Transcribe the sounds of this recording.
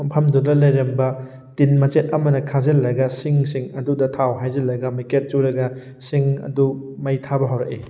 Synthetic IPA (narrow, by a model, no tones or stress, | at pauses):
mpʰɐmdudɐlɐjɾɐmbɐ | tinmɐt͡ʃet̚ɐmɐnɐkʰazɐlːɐɡɐsiŋsiŋɐdudɐtʰawɦajzɐlːɐɡɐmiket̚t͡ʃuɾɐɡɐ | siŋɐ̰du | mɐjtʰabɐɦɐwɾɐk̚e